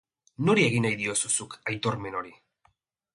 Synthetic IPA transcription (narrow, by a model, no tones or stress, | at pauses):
noɾie̞ɣ̞inajðio̞susukajt̪o̞ɾme̞no̞ɾi